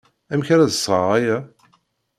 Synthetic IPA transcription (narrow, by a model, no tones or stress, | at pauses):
æmçaɾæðəsˤːʁə̰ʁæjæ